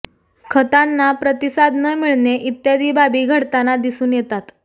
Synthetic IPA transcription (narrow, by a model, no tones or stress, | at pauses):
kʰət̪anːapɾət̪isad̪ʱnəmiɭneʔit̪jad̪iːbabiːɡʱəɽt̪anad̪isuːnjet̪at̪